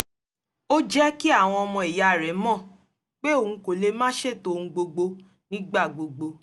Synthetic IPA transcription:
o˦d͡ʒɛ˦ki˦a˦˨w̃ɔ̃˧ɔ˧mɔ̃˧e˨ja˨ɾɛ˨˦mɔ̃˦˨ | k͡pe˦o˦˨hũ˧ko˨le˧mãː˦ʃe˦˨to˧˨ũ˧ɡ͡bo˧ɡ͡bo˧ | nĩ˦ɡ͡ba˦˨ɡ͡bo˨ɡ͡bo˧

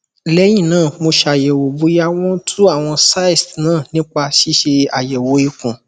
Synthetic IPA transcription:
lɛ˨˦j̃ĩ˦˨nãː˦˨mo˧ʃa˨jɛ˨wo˨bu˨˦ja˦w̃ɔ̃˦tʰu˦a˦˨w̃ɔ̃˧sa˦i˦˨stnãː˦˨nĩ˦k͡pa˧ʃi˦ʃe˧a˨jɛ˨wo˨˦i˧kũ˨

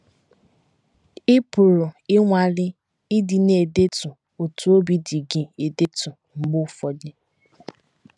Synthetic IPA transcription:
ɪ˦pʊ˨ɾʊ˨ɪ˦ŋʷa˨lɪ˦ | ɪ˦di˨ne˨de˦tʊ˨ | o˨tu˨o˦bi˦di˨ɡɪ˨e˨de˦tʊ˨ | ŋ͡m̩˨ɡ͡bʊ˦fɔ˨dɪ˦

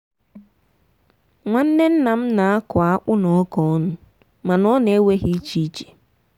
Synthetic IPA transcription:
ŋʷa˦n̩˦ne˦n̩˦na˨m̩˦na˨a˦kʊ˨a˦k͡pʊ˦nɔ˨ɔ˦kɔ˨˦nʊ˦ | ma˨nɔ˦ne˨˦we˦ɦi˦t͡ʃi˦i˦t͡ʃe̥˨

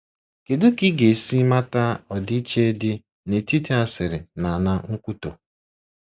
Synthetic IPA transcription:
ke˨du˦ki˦ɡe˨si˦ma˦ta˦ɔ˨dɪ˦i˦t͡ʃe˦e˦dɪ˦ | ne˨ti˦tʰe˦a˦sɪ˨ɾɪ˨na˨na˦ŋ̩˦kʷu˦to˨

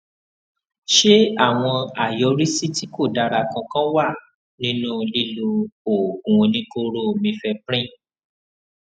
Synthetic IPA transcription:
ʃe˦a˦˨w̃ɔ̃˧a˨jɔ˧˦ɾi˦si˦ti˦ko˦˨da˧ɾa˧˨kã˧kã˦wa˦˨ | nĩ˦nũ˦˧li˦lu˧o˨ɡũ˨˧nĩ˦ko˧ɾo˦˨mĩ˧fɛ˧pɾ̃ĩ˦˨

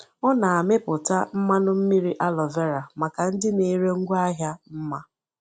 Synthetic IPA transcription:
ɔ˦na˨a˨mɪ˦pʊ˨ta˦m̩˦ma˦nʊ˦m̩˦mi˦ɾi˦ʔa˦lɔ˨ve˦ɾa˨ma˨ka˨n̩˦dɪ˦ne˨˦ɾe˦ŋ̩˦ɡʷa˦ɦja˦m̩˦ma˦

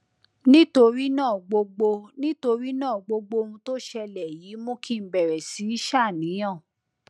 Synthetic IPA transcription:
nĩ˦to˧ɾi˦nãː˦˨ɡ͡bo˧ɡ͡bo˧nĩ˦to˧ɾi˦nãː˦˨ɡ͡bo˧ɡ͡bo˧ũ˧to˦ʃɛ˧lɛ˨ji˨˦mõ˦ki˦m̩˦bɛ˨ɾɛ˨si˨˦i˦ʃa˦˨nĩ˨˦j̃ã˦˨

